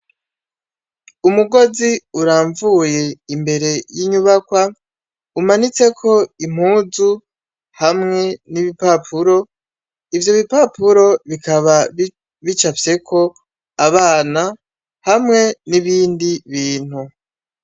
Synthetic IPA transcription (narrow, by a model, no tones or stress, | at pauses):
umuɡo̞ziuɾaːɱvuje̞imbe̞ɾe̞jiɲuβakwa | umanit͡se̞kʰo̞im̥huːzu | hamŋe̞niβipapʰuɾo̞ | ivjo̞βipapʰuɾo̞βikaβa | βit͡ʃafje̞kʰo̞ | aβaːna | hamŋe̞niβiːndiβiːn̥hu